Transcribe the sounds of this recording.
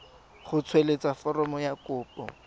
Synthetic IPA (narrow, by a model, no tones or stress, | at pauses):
χʊt͡sʰwelet͡safɔrɔmɔjakʊːpɔ̰